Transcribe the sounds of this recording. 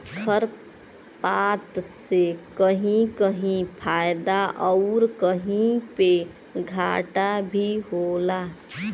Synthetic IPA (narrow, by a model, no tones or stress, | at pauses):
kʰəɾ | pat̪sekəɦĩkəɦĩpʰaːjd̪aʔɔʊɾkəɦĩpe | ɡʱaːʈabʱiɦola